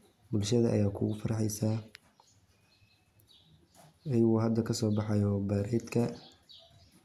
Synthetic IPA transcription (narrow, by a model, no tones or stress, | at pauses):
bʊlʃɐðɐʔɐ̰jaːkʰʊɣʊfɐɾɑħɛjsaː | ɛjuːhɐd̪ːɐkʰɐsɔːbɑħɑjɔbɐɾɛːd̪kʰɐ